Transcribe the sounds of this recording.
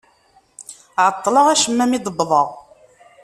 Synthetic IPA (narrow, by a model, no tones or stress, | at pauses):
ʕət̪ˤːləʁæʃəmːæmid̪ˤəbːðˤəʁ